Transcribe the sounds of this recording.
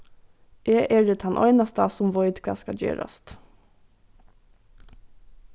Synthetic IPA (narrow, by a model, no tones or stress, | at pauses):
ʔeːʔeːɹɪt̪hɑnʔœ̰ʏnɑst̪ɑːsʊmʋɔʏd̪kʰʋɑ̰ːskɑd͡ʒø̰ːɾɑ̰st̪